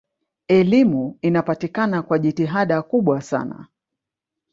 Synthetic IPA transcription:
ɛlimuinapatikanakwaʄitiɦaɗakuɓwasa̰na̰

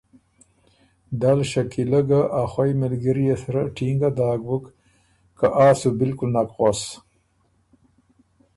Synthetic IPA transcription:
d̪alʃakiləɡaʔaxwajmɪlɡəɾijesɾaʈʰiŋɡad̪aːɡwək | kaʔaːsubɪlkʊlnakɣos

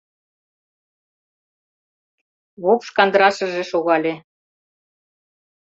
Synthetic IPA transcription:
βupʃkɑnd̪əɾɑʃɤ̆ʒĕʃoɣɑlʲe

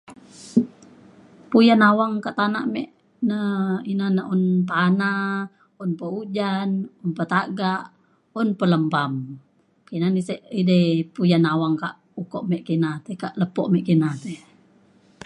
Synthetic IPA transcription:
pujanawaŋkaʔt̪anaʔmɛ̰ʔ | nəinanaʔunpana | unpəud͡ʒanunpət̪aɡaʔ | unpələmpam | kinanisɛʔidəpujanawaŋkaʔ | ukɔʔmɛʔkinat̪ɛkaʔləpɔʔmɛʔkinat̪ɛ

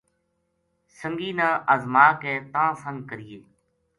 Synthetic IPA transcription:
səŋɡiːnãːʔəzmaːkɛ̃ːt̪ãːsə̃ŋkəɾiːeː

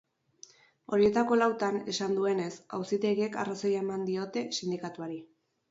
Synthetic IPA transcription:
o̞ɾie̞t̪ako̞lawt̪ane̞sand̪ue̞ne̞sa̰wsit̪e̞ɣie̞ka̰rasojaemand̪io̞t̪e̞sind̪ikat̪uaɾi

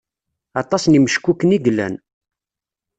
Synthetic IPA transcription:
ɑt̪ˤɑsniməʃkːukːəniɡlːæ̰n

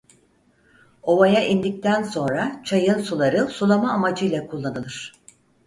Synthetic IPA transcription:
o̞vajaʔind̪ic̚t̪ʰænso̞nɾat͡ʃʰajɯnsulˠaɾɯsulˠamaːmad͡ʒɯjlʲˠakʰulˠːanɯlˠɯɾ̝̥

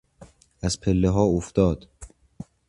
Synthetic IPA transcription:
æzpʰelːeɦɒːoft̪ɒːd̪̥

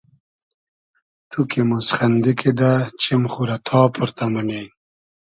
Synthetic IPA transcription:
t̪ʰukimusχɐnd̪ikʰid̪at͡ɕimχuɾɐt̪ʰɑːpʰuɾt̪ɐmune

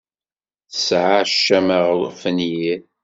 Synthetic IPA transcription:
θəsʕaʃːæməʁfənji

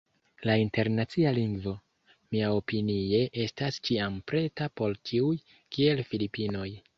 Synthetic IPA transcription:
lainte̞ɾnat͡sialiŋɡvo̞ | miao̞pinie̞ʔe̞stast͡ʃiampɾe̞tapo̞lt͡ʃiuj | kie̞lfilipino̞j

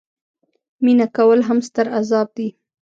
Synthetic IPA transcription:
minakawəlɦamst̪əɾazɑb̚d̪i

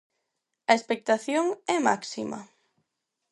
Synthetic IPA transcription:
ɐespek̚t̪aθjoŋɛmaksimɐ̰

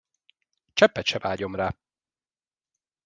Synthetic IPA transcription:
t͡ʃɛpːɛt̪ʃɛvaːɟo̞mraː

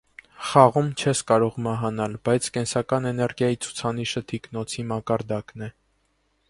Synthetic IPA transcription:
χɑʁumt͡ʃʰɛskɑɾɔʁmɑɦɑnɑlbɑjt͡sʰkɛnsɑkɑnɛnɛɾɡjɑjit͡sʰu̥t͡sʰɑniʃət̪ʰiknɔt͡sʰimɑkɑɾd̪ɑknɛ

